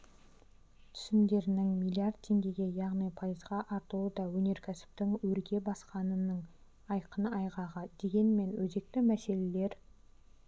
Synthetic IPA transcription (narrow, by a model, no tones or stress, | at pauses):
t̪ʰʏ̥sɪnd̪e̞ɾɪnɪŋmijlʲˠiard̪̚t̪ʰe̞ŋɡʲe̞ɡʲe̞jɑʁnijpʰɑjəzʁɑʔɑɾt̪əlˠud̪ɑwɵne̞ɾkʲʰæsɪ̥p̚t̪ɪŋwɵɾɡʲe̞bɑsqɑnənəɴ | ɑjqənəɑjʁɑʁəd̪̥e̞ɡʲe̞nme̞nwɵze̞k̚t̪ɪmæse̞le̞le̞ɾ